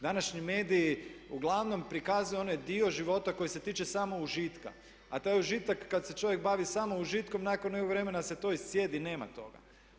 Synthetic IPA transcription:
d̪anaʃɲime̞ːd̪iuɡlˠaʋno̞mpɾikazujeoned̪io̞ʒiʋo̞t̪ako̞jise̞t̪iːt͡ʃesamo̞uʒit̪ka̰ | at̪ojeuʒit̪akːad̪se̞t͡ʃo̞ʋjek̚baʋisaːmouʒit̪ko̞mnakonːekoɡʋɾe̞menase̞t̪o̞issje̞d̪ine̞ːma̰t̪o̞̰ɡa̰

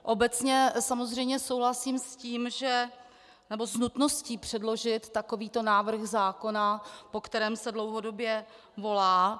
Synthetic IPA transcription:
ʔo̞bɛt͡sɲɛsamo̞zr̝ɛjmɲɛso̞wɦlasiːmsciːmʒɛ | nɛbo̞znut̪no̞sciːpr̥ɛdlo̞ʒɪt̪ːako̞viːt̪o̞naːvr̩xzaːko̞napo̞kt̪ɛɾɛːmsɛdlo̞wɦo̞do̞bjɛ | vo̞laː

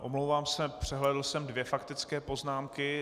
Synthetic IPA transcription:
ʔomlowvaːmsɛpr̝̥ɛɦlɛdl̩sɛmdvjɛfakt̪ɪt͡skɛːpo̞znaːmkɪ

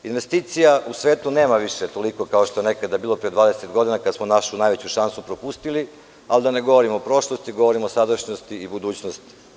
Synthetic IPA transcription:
inʋe̞st̪iːt̪sijausʋe̞ːt̪une̞ːmaʋiʃet̪o̞liko̞kaoʃt̪oene̞kad̪abiːlˠo̞pɾed̪ʋaːd̪eset̪ɡo̞d̪inakad̪smonaʃunajʋet͡ɕuʃansupɾo̞pust̪ili | alid̪ane̞ɡo̞ʋoɾimoopɾo̞ʃlˠost̪iɡo̞ʋo̞ɾimoosad̪aʃɲost̪iibud̪uːt͡ɕnost̪i̥

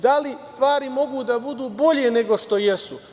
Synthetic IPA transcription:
d̪alist̪ʋaːɾimo̞ɡuːd̪abud̪uːbo̞ʎene̞ɡo̞ʃt̪o̞jesu

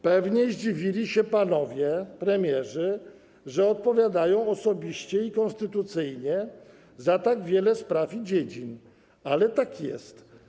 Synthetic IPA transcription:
pɛvɲɛʑd͡ʑivʲilʲiɕɛpanɔvʲjɛpɾɛmʲjɛʐɘ | ʐɛɔt̪̚pɔvʲjad̪ajɔ̃w̃ɔsɔbʲiɕt͡ɕɛikɔ̃nst̪ɘt̪ut̪sɘjɲɛ | zat̪aɡvʲjɛlɛspɾafid͡ʑed͡ʑin | alɛt̪akjɛ̰st̪

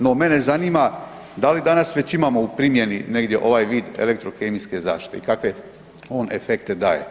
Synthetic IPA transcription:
no̞me̞ne̞zaniːma | d̪alid̪anasʋet͡ɕimaːmo̞upɾimje̞nine̞ɡd̪je̞ʔo̞ʋaːjʋiːd̪ḛlek̚t̪ɾo̞kemiske̞za̰ːʃt̪i̥t̪ḛikakʋe̞ | o̞ːnʔe̞fe̞kt̪e̞d̪aːjḛ

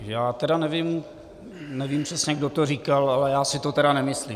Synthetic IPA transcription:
jaːt̪ɛdanɛvim | nɛvimprɛsɲɛɡdot̪oriːkalalɛjaːsɪt̪ot̪ɛɾanɛmɪsliːm

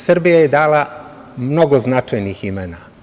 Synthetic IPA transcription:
sr̩bijajed̪aːla | mno̞ɡo̞znat͡ʃajniːximenaː

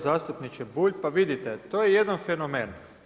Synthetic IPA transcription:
zaːst̪upnit͡ʃɛbuːʎʲpaʋid̪it̪ɛt̪ojejed̪anfenomeːn

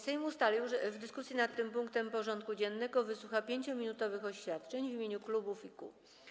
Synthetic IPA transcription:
sɛjmust̪alʲiwɛvd̪ɘskusʲjinat̪ːɘmpuŋkt̪ɛmpɔʐɔnt̪̚kud͡ʑɛnːɛɡɔvɘswuxapʲjeɲt͡ɕɔmʲinut̪ɔvɘxɔɕfʲjat̪̚t͡ʂɛɲvimʲeɲuklubufikṵ

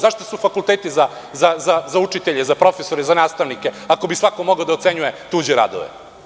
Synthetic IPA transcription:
zaʂt̪osufakulˠt̪eːt̪iza | zazazaut͡ʂit̪eʎezapɾo̞fesoɾezanaːst̪aʋnike̞ako̞bisʋakomoɡaod̪aot̪seɲuje̞t̪uːd͡ʑeɾa̰d̪o̰ʋḛ

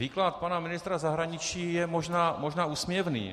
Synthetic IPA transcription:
viːklat̪̚panamɪnɪst̪ɾazaɦɾaɲɪt͡ʃiːjɛmoʒnaːmoʒnaːuːsmjɛvnḭː

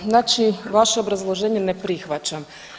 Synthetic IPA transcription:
nat͡ʃiʋaʃɛɔbɾɐzlˠɔʒɛnʲːɐnɛpɾɪxʋɐt͡ʃɐm

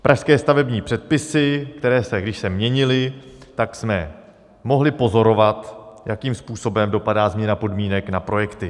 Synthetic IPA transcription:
pɾʔaʃskɛːst̪avɛbɲiːpr̝̥ɛt̪̚pɪsɪkt̪ɛɾɛːsɛɡdɪʃsɛmɲɛɲɪlɪt̪aksmɛ | mo̞ɦlɪpo̞zo̞ɾo̞vat̪jakiːmspuːso̞bɛmdo̞padaːzmɲɛnapo̞dmiːnɛknapɾo̞jɛkt̪ɪ

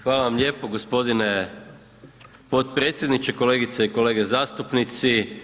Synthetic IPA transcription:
xʋaːlaʋamʎʲje̞ːpoɡospo̞d̪ine | po̞t̪pɾeːt̪sʲjed̪nit͡ʃeko̞le̞ːɡit̪saiko̞le̞ːɡezaːst̪upnit̪si

